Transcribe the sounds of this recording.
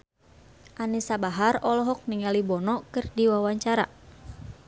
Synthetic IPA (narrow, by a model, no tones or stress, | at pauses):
ʔanisabaɦarɔlɔɦɔk̚niŋalibɔnɔkɨrdiwawaɲt͡ʃaɾa